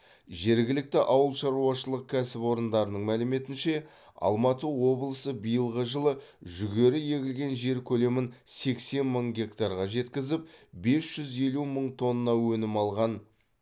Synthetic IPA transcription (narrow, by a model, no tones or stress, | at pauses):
ʒe̞ɾɡʲɪlɪk̚t̪ɪʔɑwəlˠʃɑɾuɑʃəlˠəq̚kʲʰæsɪpwo̞ɾənd̪ɑɾənəɴmælɪme̞t̪ɪnʃe̞ | ɑ̰lˠmɑt̪əwo̞blˠəsəbijəlˠʁəʒəlˠəʒʏɡʲe̞ɾɪje̞ɡʲɪlɡʲe̞nʒe̞ɾkʲʰɵle̞mɪnse̞kse̞nməɴɡʲe̞kt̪aɾʁɑʒe̞t̪kʲɪzɪp̚be̞sʒ̥ʏze̞luməɴt̪ʰo̞nːɑwɵnɪmɑlˠʁɑn